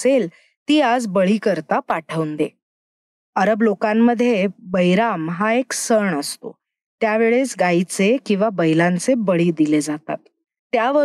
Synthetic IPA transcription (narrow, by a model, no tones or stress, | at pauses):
sel | t̪iːad͡zbəɭiːkəɾt̪apaʈʰəʋnd̪e | əɾəblokamːəd̪ʱːjebəjɾamɦaeksəɳəst̪o̰ | t̪jaʋeɭesɡait͡sekĩw̃ʋabəjlãnt͡sebəɭiːd̪iled͡zat̪a̰t̪ː | jaʋə